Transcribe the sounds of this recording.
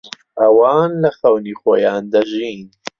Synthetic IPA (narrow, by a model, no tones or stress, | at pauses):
ʔɐwaːnlɐxɐwniːxoːjaːnd̪ɐʒiːn